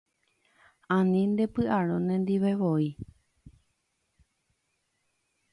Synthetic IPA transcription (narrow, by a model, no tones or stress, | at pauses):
ãnĩnd̪e̞pɨʔaɾõnẽnd̪iʋeʋoi